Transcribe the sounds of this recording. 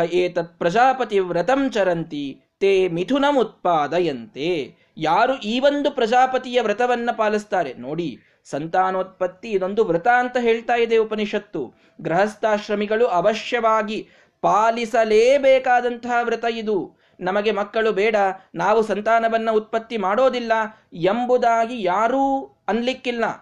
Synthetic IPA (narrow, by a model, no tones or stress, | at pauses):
eːt̪ɐt̪̚pɾɐd͡ʒaːpɐt̪iʋɾɐt̪ɐmt͡ʃɐɾɐnt̪i | t̪eːmit̪ʰunɐmut̪̚paːd̪ɐjɐnt̪e | jaːɾuʔiːʋond̪upɾɐd͡ʒaːpɐt̪ijɐʋɾɐt̪ɐʋɐnːɐpaːlist̪aːɾenoːɽi | sɐnt̪aːnɐːt̪̚pɐt̪ːiːd̪o̞nd̪uʋɾut̪aːnt̪ɐɦeːɭt̪aːjid̪eupɐniʂɐt̪ːṵ | ɡɾɐɦɐst̪aːʃɾɐmiɡɐɭuʔɐʋɐʃjɐʋaːɡi | paːlisɐleːbɛːkaːd̪ɐnt̪ɐɦɐʋɾɪt̪ɐid̪u | nɐmɐɡe̞mɐkːɐɭubɛːɽɐnaːʋusɐnt̪aːnɐʋɐnːɐut̪̚pɐt̪ːimaːɽo̞ːd̪ilːɐ | embud̪aːɡijaːɾuː | ɐnlikːilːɐ